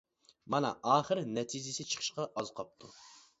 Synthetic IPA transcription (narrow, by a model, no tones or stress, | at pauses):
mɑnɑ̰ʔɑːχəɾnɛt̪ʰid͡ʒɪsɪt͡ʃʰə̥χʰə̥ʃqɑʔɑzqʰɑp̚t̪ʰu